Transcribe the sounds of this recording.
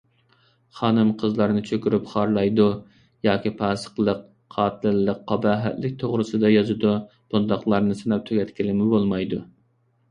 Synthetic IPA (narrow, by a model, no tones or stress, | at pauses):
χɑːnɨmqʰəzlˠɑɾnɨt͡ʃʰøkʲyɾypχɑɾlˠɑjd̪u | jɑːkʲipʰɑːsə̥qlˠəq | qʰɑːt̪ʰɨlɪlːəqʰːɑbɑːɦɛ̰t̪lɪkʲt̪ʰoʁɾɨsɨd̪ɑjɑzɨd̪u | b̥und̪ɑχlˠɑɾnɨsɨnɑp̚t̪ʰyɡʲɛt̪kʲilɪmɪbolˠmɑjd̪u